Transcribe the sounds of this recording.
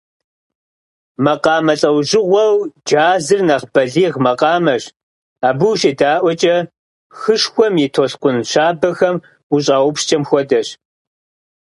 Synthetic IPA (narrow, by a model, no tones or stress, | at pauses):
mɐqɑːmɐɬʼɐwʑɪʁʷɐwd͡ʒaːzɨrnɐʁb̥ɐɮiːʁmɐqɑːmɐɕ | aːbuwɕʼidaːʔʷɔt͡ʃʼɐ | xɨʂxʷɔmjɪtʰoɬqʷʊnɕaːbɐxɐm | uɕʼaːwʊpʃt͡ʃʼɐmxʷɔdɐɕ